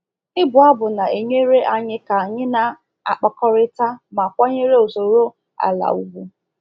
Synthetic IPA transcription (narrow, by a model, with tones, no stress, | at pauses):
ɪ˦bʊ˨a˦bʊ˨na˨e˨ɲe˦ɾe˦ʔa˦ɲɪ˦ka˨ɲɪ˦na˨ | a̰˨k͡pa˨kɔ˦ɾɪ˦ta˦ma˨kʷa˦ɲe˦ɾe˦o˨so˨ɾo˦ | a̰˨la̰˨u˦ɡʷu˦